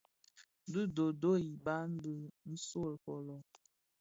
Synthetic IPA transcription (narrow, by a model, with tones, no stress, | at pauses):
də˦do˨do˦i˨ba˦n̩˦də˦n̩˦so˦˨lkɔ˨lɔ˨